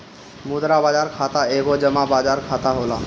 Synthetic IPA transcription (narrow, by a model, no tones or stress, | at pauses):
mud̪ɾabad͡ʑaɾkʰat̪aeɡod͡ʑəmabad͡ʑaɾkʰat̪aɦola